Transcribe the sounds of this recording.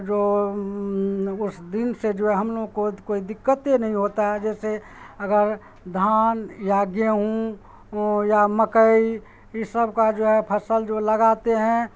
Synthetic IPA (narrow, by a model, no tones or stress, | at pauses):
d͡ʒoː | ʊsd̪ɪnsed͡ʒoːɦɛɦəmloːɡkokoːid̪ɪkːət̪enəɦĩɦoːt̪aɦɛd͡ʒɛːse | əɡəɾ | d̪ʱaːnjaːɡjəɦũ | jaməkəi | jisəb̚kad͡ʒoːɦɛpʰəsəld͡ʒoləɡaːt̪eɦɛ̃